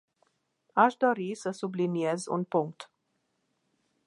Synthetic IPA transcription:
aʃd̪oɾisəsubliniezṵnpuŋk̚t̪

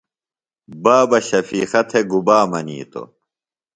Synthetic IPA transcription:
baːbɐɕɐfiːxɐt̪ʰeɡubaːmɐnḭːt̪o̰

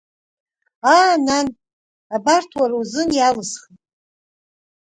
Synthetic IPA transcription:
aːnan | abartʰwarwzɨnjalɨsχitʼ

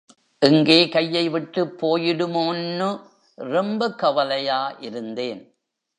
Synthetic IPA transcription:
ʔɪŋɡeːkɐjːɐɪʋɪʈːɯpːoːjɪɽɯmoːnːɯ | ɾɛmbɐkɐʋɐlɐjaːʔɪɾɯnd̪eːn

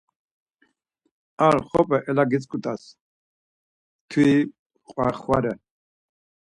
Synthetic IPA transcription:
aɾχɔpʰʼɛʔɛlaɡit͡sʼkʼut̪ʼas | t̪ʰwi | qʼwaχwaɾɛ

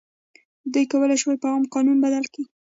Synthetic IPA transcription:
d̪ujkawəlajʃwajpaɣɑmqɑnunbad̪alki

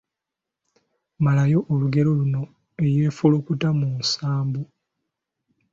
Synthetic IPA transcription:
malajo̞ʔːluɡe̞ɾo̞luno̞ | e̞je̞ːfulokutamunsaːmbo

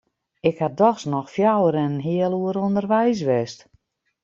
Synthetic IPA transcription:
ɪkhadɔxsnɔxfjawəɾɛnənɦiəlˠuəɾondərʋɛjs̬ʋɛst

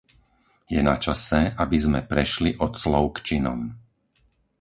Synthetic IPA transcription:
jɛnat͡ʃasɛʔabizmɛpɾɛʃliʔɔt̪slɔʊkt͡ʃinɔ̰m

